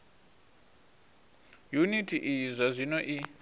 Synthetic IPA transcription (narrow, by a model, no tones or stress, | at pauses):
junitʰiʔizʷazʷinɔʔi